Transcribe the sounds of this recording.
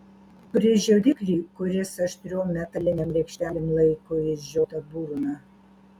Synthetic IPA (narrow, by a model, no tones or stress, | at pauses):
pɾʲɪʒʲɛd̪ʲɪkɾʲiːkʊɾʲɪsɐʃʲt̪ʲɾʲoːmmʲæt̪ɐlʲɪnʲɛmɾʲɛkʃʲt̪ʲæːlʲemlˠɐɪkoɪʒʲoːt̪ɐbuːɾʊnɐ